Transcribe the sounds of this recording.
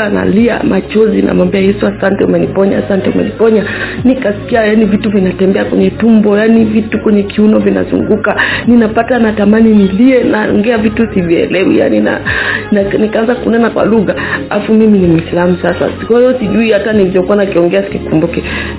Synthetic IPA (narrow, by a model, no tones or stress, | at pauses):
na̰lia̰mʔat͡ʃɔzinʔa̰mwambiajɛsuasantɛumɛnipɔɲa̰asantɛṵmɛ̰nipɔɲanikasi̥kiajanivituvinatɛmbɛakwɛ̰ɲɛtumbɔjanivitukwɛɲɛkiunɔvina̰zṵŋɡukaninapatanatamaniniliɛnaɔ̰ŋɡɛavitusiviɛ̰lɛwḭja̰nina̰anikaanzakunɛnakwa̰luɣalafumiminimwislam̩sasa̰skwajɔsiʄuihatanilivɔkuanakiɔŋɡɛasi̥kikumbukɛ